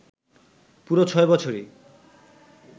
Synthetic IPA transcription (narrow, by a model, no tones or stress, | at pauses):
puɾot͡ɕʰɔebɔt͡ɕʰoɾi